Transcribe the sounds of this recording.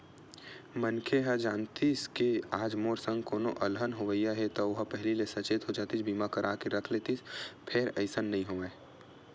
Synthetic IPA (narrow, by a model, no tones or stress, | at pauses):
mɐnkʰeɦəd͡ʒaːnt̪iskeaːd͡ʒmoːɾsə̃ŋɡkoːnoʔɐlɦənɦoʋəijaɦɛt̪oʊɦpɛɦlilesɐt͡ʃeːt̪ɦod͡ʒaːt̪it͡ʃbiːmakɐɾʔaːkeɾɐkʰleːt̪ispʰeɾɐɪsənːɐɦĩɦoːe